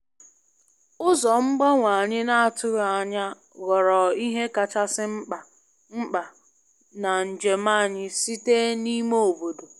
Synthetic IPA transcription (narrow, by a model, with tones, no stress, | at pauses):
ʊ˦zɔ˨ŋ͡m̩˦ɡ͡ba˦ŋʷa˨ɲɪ˦na˦a˨tʊ˦ɾa˨ɲa˦ | ɣɔ˨ɾɔ˨i˦ɦe˦ka˨t͡ʃa˦sɪ˦ŋ͡m̩˦k͡pa˨ | ŋ͡m̩˦k͡pa˨ | na˨n̩˨d͡ʒe˨ma˦˨ɲɪ˦si˦te˦ni˦mo˦o˨bo˨do˨